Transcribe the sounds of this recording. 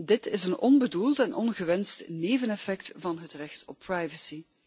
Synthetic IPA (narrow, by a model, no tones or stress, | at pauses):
dɪtɪsənɔnbədulˠtɛnʔɔ̰nɣəʋɛnstneːvənɛfɛktvɑnɦətrɛxtɔpʰːrajvəsi